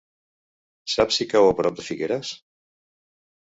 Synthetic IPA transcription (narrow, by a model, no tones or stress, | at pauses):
sapsikawapɾɔp̚d̪əfiɣeɾas